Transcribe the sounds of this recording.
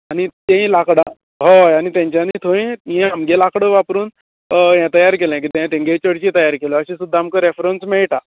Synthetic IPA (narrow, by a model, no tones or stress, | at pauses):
añit̪ẽĩlakɽã | ɦoanit̪jãɲt͡ɕanit̪ʰoĩɦɛ̃amɡelakɽəʋapɾuːn | jɛ̃t̪əjaɾkelɛ̃k̬it̪ẽjãt̪ẽŋɡet͡ɕəɽt͡ɕĩt̪əjaɾkeləəɕĩsud̪ʱːaːmkəɾefɾənsmeɭʈa